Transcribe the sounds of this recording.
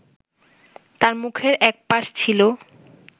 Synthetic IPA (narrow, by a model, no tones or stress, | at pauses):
t̪aɾmukʰeɾʔɛk̚paʃt͡ɕʰilo